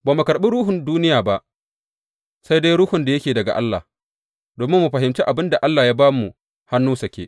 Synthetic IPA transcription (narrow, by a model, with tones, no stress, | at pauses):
baː˨mu˨kɐ˨ɾɓɪ˦ɾuː˦ɦʊ˨nduː˦nɪ˦jaː˨ba˦ʔ | sa˦jde˦jɾʊː˦hʊ˨nda˨jɐ˦kʲeː˨dɐ˨ɡa̰˨ʔa̰˦lːa̰˨ | doː˨mɪ˦mːu˨ɸɐ˨ɦɪ˨mt͡ʃi˦ʔa˨bɪ˦nda˨ʔa˦lːaː˨jaː˦baː˦mu˨ | ha˦nːuː˦sɐ˨kʲḛː˨